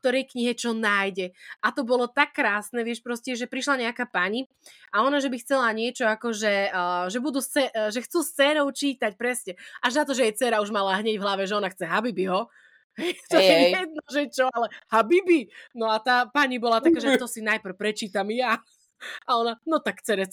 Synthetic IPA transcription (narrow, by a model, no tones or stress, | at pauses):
k̚t̪ɔɾɛjkɲiɦɛt͡ʃɔnajɟɛʔat̪ɔbɔlɔt̪akːɾaːsnɛʋɪɛʃpɾɔscɛʒɛpɾiʃlaɲɛakaːpaɲi | ʔaɔnaʒɛbixt͡sɛlaɲɪɛt͡ʃɔakɔʒɛːʒɛbud̪uːsɛʒɛxt͡suːst͡sɛːɾɔʊt͡ʃiːt̪ac̚pɾɛsɲɛʔaʒnat̪ɔʒɛjɛt͡sɛɾauʒmalaɦɲɛɟvɦlaʋɛʒɛɔnaxt͡sɛɦabibiɦɔ | ɦɛjt̪ɔjɛjɛd̪̚nɔʒɛt͡ʃɔalɛhabibinɔat̪aːpaɲibɔlat̪akaːʒɛt̪ɔsinajpr̩ʊpɾɛt͡ʃiːt̪amja | aɔnanɔt̪akt͡sɛɾɛt͡s